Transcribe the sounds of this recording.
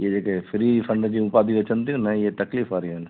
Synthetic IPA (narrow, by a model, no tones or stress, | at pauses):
jed͡ʒekefɪɾifʰə̃ɳɖd͡ʒiupaːd̪iʋɐt͡ʃə̃nt̪ĩnɐɦĩjet̪ɐkliːfaːɾiɛn